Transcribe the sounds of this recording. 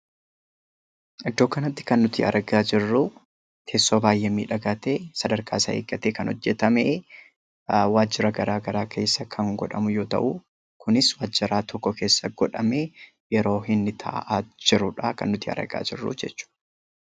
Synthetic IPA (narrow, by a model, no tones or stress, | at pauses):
ʔɪd̪ːo̞ːkɐnɐt̪ːɪ̥kɐnːʊt̪ɪ̰ʔɐ̰ɾɡaːd͡ʒɪrːuː | k̪ʰeːsːo̞ːbaːjʔemḭːᶑɐɡaːt̪eːsɐd̪ɐɾkʰaːɪsɐeːkʼːɐt̪eːkɐnɔ̰d͡ʒːɛt̪ɐmeː | waːd͡ʒːɪɾɐɡɐɾaːɡɐɾaːkʰe̞ːsːɐkʰɐŋɡɔᶑɐ̰mʊjo̞ːt̪ɐ̰ʔu | kʰʊnɪswaːd͡ʒːɪɾaːt̪ʰɔkːɔkʰe̞ːsːɐɡɔᶑɐme̞ː | jɛɾo̞ːhɪnːɪt̪ʰɐ̰ʔʔaːd͡ʒɪɾʊᶑakɐ̰nːʊt̪ɪɐ̰ɾɐ̰ɡa̰ːd͡ʒɪ̰rːṵd͡ʒɛt͡ʃːʊ̥ːʔ